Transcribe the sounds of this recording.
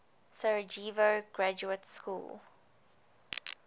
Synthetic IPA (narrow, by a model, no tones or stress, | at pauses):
sɛɹəd͡ʒiːvoɡ̥ɹad͡ʒuətskṵːl